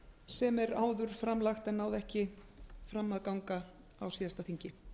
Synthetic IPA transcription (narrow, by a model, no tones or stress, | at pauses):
sɛmɛɾaːwðʏɾ̥fɾamlaxt̪ɛnːawðɛhcɪ | fɾamːaðkawŋka | awsiːðast̪aθiɲcɪ